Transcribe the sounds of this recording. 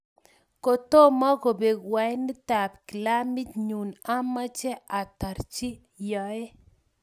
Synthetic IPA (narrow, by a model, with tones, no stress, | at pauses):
ko˨to˦mɔ˦ko˨be˨kwa˨jnɪ˦ta˨p̚ki˨la˦mi˦tɲu˨na˦ma˦t͡ʃɛ˦a˨ta˨ɾt͡ʃi˦ | jɔ˨e˦